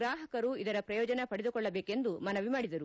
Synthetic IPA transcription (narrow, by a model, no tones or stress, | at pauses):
ɾaːɦɐkɐɾuid̪ɐɾɐpɾɐjɔːd͡ʒɐnepɐɽed̪ukɔɭːɐbe̞ːke̞nd̪umɐnɐʋimaːɽid̪ɐɾu